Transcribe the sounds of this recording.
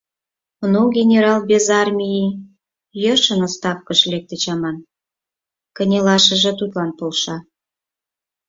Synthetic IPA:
nuɡʲenʲeɾɑlbʲezɑrmʲiji | jəʃənost̪ɑfkəʃlʲek̚t̪et͡ɕɑmɑn | kə̆nʲelɑʃə̆ʒĕt̪ut̪lɑnpolʃɑ

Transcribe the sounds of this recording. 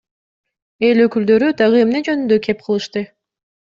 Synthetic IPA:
e̞lø̞kyld̪ø̞ɾyd̪ɑʁɯe̞mne̞d͡ʒø̞nynd̪ø̞kʰe̞p̚qʰɯlˠɯʃt̪ɯ

